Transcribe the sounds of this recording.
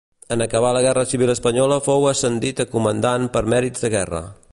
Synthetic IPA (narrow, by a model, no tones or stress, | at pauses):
ənəkəβ̞aləɣ̞ɛrəsiβ̞iləspəɲɔləfowəsənd̪it̪əkumənd̪anpəɾmɛɾidd͡zzd̪əɣɛrə̰